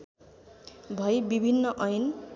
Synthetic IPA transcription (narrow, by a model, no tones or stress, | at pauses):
bʱʌjbibʱinːʌʔʌjn